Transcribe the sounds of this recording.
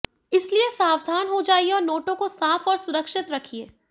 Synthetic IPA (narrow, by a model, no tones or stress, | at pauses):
ɪsliesaːwd̪ʱaːnɦod͡ʒaːieɔːɾnoːʈõkosaːfɔːɾsʊɾəkʃɪt̪ɾɐkʰieː